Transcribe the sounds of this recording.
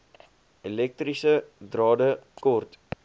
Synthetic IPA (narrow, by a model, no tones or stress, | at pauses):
elɛk̚trisədrɑːdəkɔrt